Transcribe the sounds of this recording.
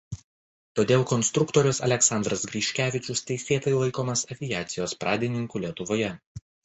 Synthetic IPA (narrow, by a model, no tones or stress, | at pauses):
t̪oːd̪ʲeːlˠkɔnsʲt̪ɾʊkt̪ɔɾʲʊsɐlʲɛksɑnd̪ɾɐsɡɾʲiːʃʲkʲæːʋʲɪt͡ʃʲʊst̪ʲɛɪsʲeːt̪ɐɪlˠɐɪkoːmɐsɐʋʲɪjæːt̪sʲɪjoːspɾʔɑːd̪ʲɪnʲɪŋkuːlʲiɛt̪ʊʋoːjɛ